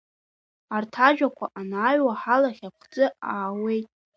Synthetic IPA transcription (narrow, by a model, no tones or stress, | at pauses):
artʰaʒᶣakʷʰaʔanaːɥwaħalaχʲakʷʰd͡zʼɨaːwe̞jtʼ